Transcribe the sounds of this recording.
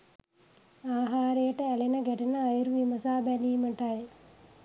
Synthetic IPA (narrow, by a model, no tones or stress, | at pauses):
aːɦaːɾejɐʈɐɛlenɐɡɛʈɐnɐːjiɾuʋimɐsaːbɛliːmɐʈaj